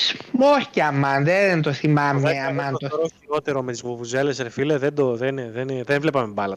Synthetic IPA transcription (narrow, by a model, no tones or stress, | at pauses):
smoɾcɐmɐnðent̪oθimɐmmeɐmɐnt̪oɾoio̞t̪eɾo̞met̪izovuze̞lesɾfileðend̪oðenðenðenvle̞pɐmebɐlɐ